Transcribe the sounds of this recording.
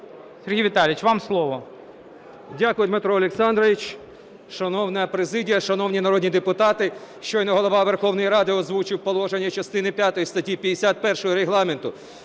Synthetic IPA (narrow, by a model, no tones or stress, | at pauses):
sʲerɦʲijʋʲɪt̪ɑlʲɪt͡ʃʋɑmslˠɔʋɔ | dʲakʊjʊd̪mɪt̪ɾɔːlʲeksɑnd̪ɾɔʋʲit͡ʃ | ʃɐnɔwnɐɐpɾezɪdʲijɐʃɐnɔwnʲinɐɾɔdʲnʲid̪epʊt̪ɑt̪ɪʃt͡ʃɔjnɐɦɔlˠɔʋɑʋerxɔwnɔjiɾɑd̪ɪɔzʋut͡ʃɪwpɔlˠɔʒenʲːɐt͡ʃɐst̪ɪnɪpʲjat̪ɔjist̪ɐtʲipʲjɐd̪ːesʲat̪̚pɛrʃɔɦɔɾeɦlˠɑment̪ʊ